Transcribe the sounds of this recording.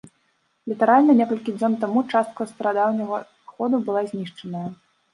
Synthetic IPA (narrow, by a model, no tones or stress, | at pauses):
lʲit̪aɾalʲnɐnʲɛkɐlʲkʲid͡zʲɔnt̪amut͡ʂast̪̚kɐst̪ɾad̪awnɐɣɐ | xɔd̪ubɨlˠazʲnʲiʂt͡ʂɐnɐjɐ